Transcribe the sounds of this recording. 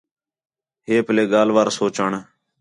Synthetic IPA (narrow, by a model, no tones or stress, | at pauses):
ɦeːpleːɡaːlʋaːɾsoːt͡ʃaːɳː